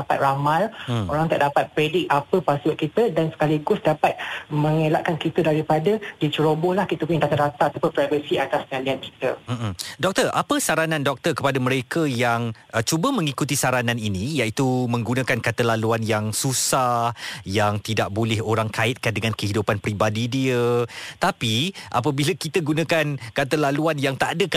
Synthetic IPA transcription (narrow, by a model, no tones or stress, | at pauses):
dapat̪̚ramaloɾaŋt̪aʔdapat̪̚pɾedɪk̚apəpasʔ̚kit̪ədansə̥kaliɡʊsdapat̪̚məŋelaʔkankit̪ədaɾipadədit͡ʃəɾobɔlahkit̪əpuɲŋdat̪adat̪aat̪apʊnpɾajvəsiat̪aspəŋãnlianki̥t̪əm̩m̩dɔk̚t̪ərʔa̰pəsaɾanãndɔk̚t̪ərkəpadaməɾekəjaŋʔət͡ʃubəmə̃ŋikut̪isaɾanãninĩjaʔit̪umə̃ŋɡunãkankat̪alaluanjaŋsusahjaŋt̪idaʔ̚bolɛɦoɾaŋkaɪt̪̚kandəŋãnkəɦidupanpɾibadidiət̪apiʔa̰p̬əbiləkit̪əɡunakankat̪̬əlaluanjaŋt̪adək